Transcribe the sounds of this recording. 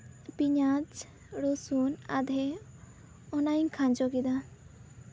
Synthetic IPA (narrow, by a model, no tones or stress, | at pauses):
piɲad͡ʒ | ɾosuna̰d̪ʱɛ | ɔnajiŋkʰãnd͡ʒɔɡid̪a